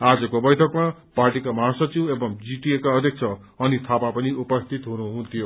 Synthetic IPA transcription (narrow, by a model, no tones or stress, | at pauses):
ad͡zʌkobʌjt̪ʰʌkma | parʈikamãsʌt͡sĩw̃ebʌmd͡ziʈiekaʌd̪ʱjʌk̚t͡sʰʌ | ʌnit̪ʰapapʌniupʌst̪ʰit̪ɦunuɦunt̪ʰijo